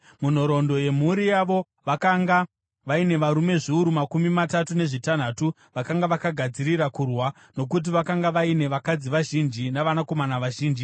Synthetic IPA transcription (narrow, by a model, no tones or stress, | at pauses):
mun̤o̞ɾo̞ndo̞je̞m̤uɾijaʋo̞ | ʋakaŋɡa | ʋaine̞ʋaɾume̞ʐiuɾumakumimatatune̞ʐitan̤aːtu | ʋakaŋɡaʋakaɡʱad͡ziɾiɾakurwa | no̞k̬ut̬iʋakaŋɡaʋaine̞ʋakad͡ziʋaʒind͡ʒinaʋanako̞manaʋaʒiːnd͡ʒi